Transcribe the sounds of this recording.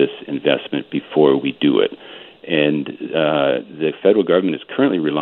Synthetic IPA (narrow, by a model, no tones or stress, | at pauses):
ɪsɨ̰̃ɱvɛ̰smɨ̃nb̥ɨfɔɹwidɨɪ̰ɾʔɨ̃n | ðɨfɛɾə˞l̩ˠɡʌvə˞mɨ̃ñɨz̥kʰɜ˞ɨ̃nʔliɹɨla